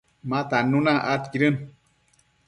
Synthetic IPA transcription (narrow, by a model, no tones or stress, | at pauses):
mãt̪anunãʔat̪kiɾɨn